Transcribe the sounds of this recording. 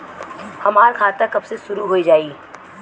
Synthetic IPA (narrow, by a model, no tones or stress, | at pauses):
hɐmaːɾkʰaːt̪akɐbseʃʊɾuɦoid͡ʒaːiː